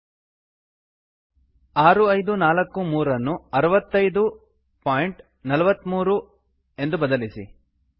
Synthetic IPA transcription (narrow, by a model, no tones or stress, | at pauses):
aːɾuɐjd̪unaːlɐkːumuːɾɐnːuɐɾɐʋɐt̪ːɐjd̪u | paːjɳʈ | nɐlɐʋɐt̪ːmuːɾu | e̞nd̪ubɐd̪ɐlisḭ